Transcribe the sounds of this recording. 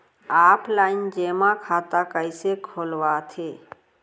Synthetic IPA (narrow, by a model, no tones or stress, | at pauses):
aːplaːɪnd͡ʒeːmãkʰaːt̪akəɪsekʰoːlwat̪ʰeː